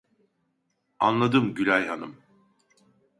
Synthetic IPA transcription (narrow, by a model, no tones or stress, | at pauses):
a̰nlˠad̪ɯmɟylʲæjɦanɯm